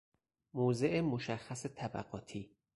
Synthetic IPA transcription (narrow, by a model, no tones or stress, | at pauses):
moːzeʔemoʃæxːæset̪ʰæbæ̰ɣɒːt̪ʰiː